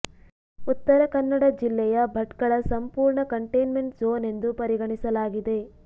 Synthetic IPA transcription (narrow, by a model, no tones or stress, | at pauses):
ut̪ːɐɾɐkɐnːɐɽɐd͡ʒilːɛjɐbʱɐʈkɐɭɐsɐmpuːɾɳɐkɐɳʈejnme̞ɳʈzoːne̞nd̪upɐɾiɡɐɳisɐlaːɡid̪e̞